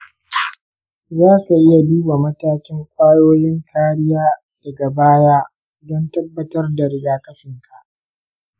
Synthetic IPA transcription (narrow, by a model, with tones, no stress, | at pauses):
zaː˦ku˨ʔɪ˦ja˨duː˦ba˨mɐ˦taː˦kʲɪ˦ŋkʷʼaː˦joː˦jɪ˦ŋkʰaː˦ɽɪ˦jaː˦ | d̥ɐ˨ɡa˨baː˦jaː˦ | dɔ˦ntɐ˦bːɐ˦tɐ˦rda˨ɾɪ˦daː˦kɐ˦ɸɪ˨ŋkʰa˨ʔ